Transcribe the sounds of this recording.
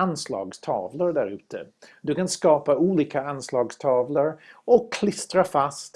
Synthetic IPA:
anslɑ̰ːɡst̪ʰɑ̰ːvləɾɖ̪æɾʉ̟ːt̪ʰə̰d̪ɵkanskɑːpauːliːkaanslɑːɡst̪ʰɑːvləɾɔkʰːlɪst̪ɾafast̪

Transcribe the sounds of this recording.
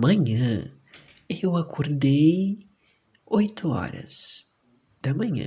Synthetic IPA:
mɐ̃ɲɐ̃ | ewakʰoɾd̪ej | ojt̪ʰʊɔ̰ɾɐ̰z̥ | d̪̥ɐmɐ̃ɲɐ̰̃

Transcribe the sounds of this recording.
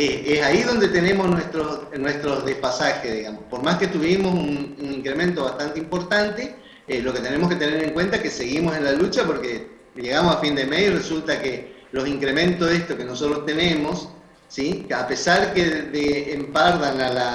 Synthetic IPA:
esesaiðo̞nd̪e̞t̪ene̞mosnwest̪ɾonwest̪ɾo̞ðespasaxeðiɣamospo̞ɾmaske̞t̪uβimo̞sununiŋkɾe̞mẽ̞nt̪oβast̪ant̪eimpo̞ɾt̪ant̪e | elo̞ke̞t̪e̞ne̞mo̞ske̞t̪e̞ne̞ɾe̞ŋkwe̞nt̪akese̞ɣimose̞nlalut͡ʃapo̞ɾke | ʎe̞ɣamosafind̪emejresult̪akelo̞siŋkɾe̞mẽnt̪ozðest̪o̞ke̞no̞so̞t̪ɾost̪e̞ne̞mo̞sː | iape̞saɾkeðeːmpaɾðanala

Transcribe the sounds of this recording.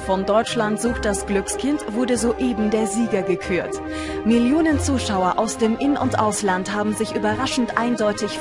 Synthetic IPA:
fɔndɔʏt͡ʃlantz̥uːktd̥asɡ̥lʏkskʰɪntv̥ʊɐdəzoʔeːbm̩deːɐziːɡɐɡəkʰyːɐt | mɪljoːnənt͡suːʃaʊɐʔaʊsd̥eːmʔɪnənʊ̰ntʔaʊslantɦaːbm̩zɪçʔyːbɐʁaʃn̩tʔaɪndɔʏtɪç

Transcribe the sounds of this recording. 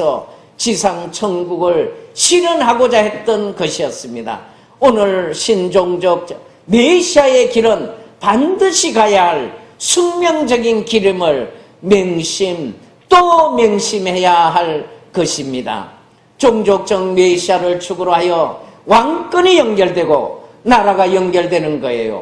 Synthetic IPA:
sʰʌ | t͡ɕisʰaŋt͡ɕʰʌŋɡuɡɯɭɕʰiɾɯnɦaɡod͡ʑaɦet̚t͈ʌnkʌɕʰijʌs͈ɯmɲida̰ | onɯɭɕʰind͡ʑoŋd͡ʑok̚ | meɕʰiae̞kiɾɯnpandɯɕʰikajaɦaɭsʰuŋmjʌŋd͡ʑʌɡinkiɾimɯɭ | mjʌŋɕʰim | t͈omjʌŋɕʰimhe̞jaɦaɭkʌɕʰimɲida̰ | t͡ɕoŋd͡ʑok̚t͡ɕ͈ʌŋmeɕʰiaɾɯɭt͡ɕʰuɡɯɾoɦajʌwaŋk͈ɯnijʌŋɡjʌɭdwe̞ɡonaɾaɡajʌŋɡjʌɭdwe̞nɯnɡʌḛjo̰

